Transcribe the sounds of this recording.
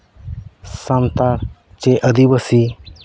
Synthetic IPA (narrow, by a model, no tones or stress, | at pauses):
sant̪aɾ | t͡ʃeʔəd̪iwəsi